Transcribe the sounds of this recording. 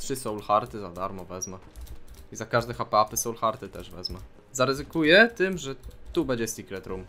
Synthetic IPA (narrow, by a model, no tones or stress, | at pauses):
t̪ʂɘsɔ̃w̃lxaɾt̪ɘzad̪aɾmɔvɛzma | izakaʐd̪ɛxapɛapɘsɔ̃wlxaɾt̪ɘt̪ɛʐvɛ̰zma | zaɾɛzɘkujɛt̪ɘmʐɛt̪ubɛɲd͡ʑɛsʲikɾɛt̪ɾum